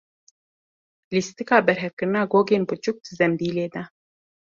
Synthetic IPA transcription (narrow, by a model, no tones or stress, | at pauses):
list̪ikɑːbɛɾɦɛfkɨɾɨnɑːɡoːɡeːnbɨt͡ʃuk̚t̪zɛmbiːleːd̪ɐ